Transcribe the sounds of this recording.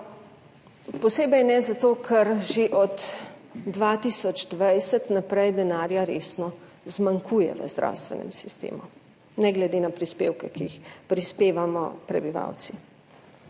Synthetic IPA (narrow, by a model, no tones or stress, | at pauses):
pɔseːbɛjnɛzat̪oːkʰɛɾʒeʔɔd̪ː | ʋat̪isɔd͡ʒd̪ʋajsɛt̪napɾɛjd̪ɛnaːɾjaɾeːsnɔ | zmaŋkujɛ̰ʋə̰zd̪ɾa̰wst̪ʋɛ̰nɛ̰msist̪ḛːmu | nɛɡlɛd̪eːnapɾispeːwkɛkiixpɾispeːʋamɔ̰pɾɛ̰biʋa̰wt̪si